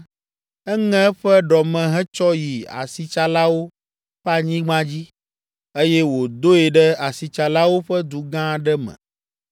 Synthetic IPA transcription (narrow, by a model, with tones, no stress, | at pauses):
ɛ˦ŋɛ̃˦ɸɛ˦ɖɔ˨mɛ̃˨ɦɛ˦t͡ʃɔ˦ji˨a̰˨si˨t͡ʃa˨la˦wo˦ | ɸɛ˦a˨ɲĩ˦ɡ͡bã˦d͡ʑi˦ | e˦jɛ˦wo˨d̪o˦e˨ɖɛ˦a˨si˨t͡ʃa˨la˦wo˦ɸɛ˦d̪u˨ɡã˦ɖɛ˦mɛ̰̃˨